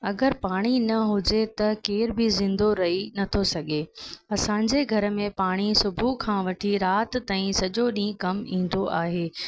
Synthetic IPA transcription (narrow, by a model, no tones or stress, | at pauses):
ɐɡəɾpaːɽ̃inɐɦʊd͡ʑet̪ɐkeːɾbɪzɪ̃nd̪oɾɐɦinɐt̪ʰosɐɡʱeɐsãːɲd͡ʑeɡʱɐɾə̆mẽpaːɽ̃isʊbʱukʰãːʋɐʈʰiɾaːt̪t̪ːãːĩsɐʄoɗĩːkɐmĩːn̆d̪oʔaːɦeː